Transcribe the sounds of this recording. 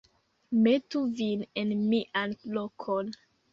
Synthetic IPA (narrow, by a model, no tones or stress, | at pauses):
mɛtuvĩnɛ̃nmiʔãnlɔkʰɔ̃n